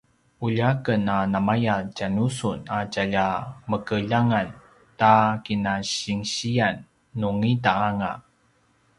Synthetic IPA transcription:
uʎakənanamajacanusunacaʎaməkəʎaŋan | takinaɕiŋɕianː | uŋidaːŋa̰

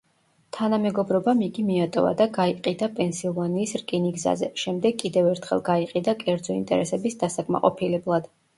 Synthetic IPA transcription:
t̪ʰanamɛɡɔbɾɔbamiɡimiat̪ʼɔ̰va̰d̪aɡaiqʼid̪apʼɛnsilˠvaniːsɾkʼiniɡza̰zɛʃɛmd̪ɛɡkʼːid̪ɛvɛɾt̪ʰχɛ̰lˠɡaiqʼid̪akʼɛɾd̪zɔḭnt̪ʼɛ̰ɾɛsɛbisd̪asakʼma̰qʼɔpʰilɛblˠad̪̥

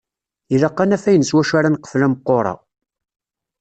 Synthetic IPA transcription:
iɾɑqːɑnæfæjənəswæʃaɾanqːə̥flæməqːoɾˤɑ̰

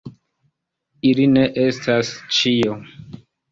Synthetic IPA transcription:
iline̞ʔe̞stʰast͡ʃio

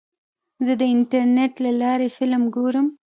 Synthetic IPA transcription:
zəd̪əɪnʈaɾneʈlalɑɾefɪlmɡoɾəm

